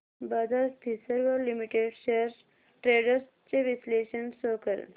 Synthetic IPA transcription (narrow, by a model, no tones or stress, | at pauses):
bad̪aɾpʰisəɾʋɔɾlimiʈeɖʃeɾs | ʈɾeːɖəɾs | t͡ʃeʋisleːʃənsoːkəɾə̰n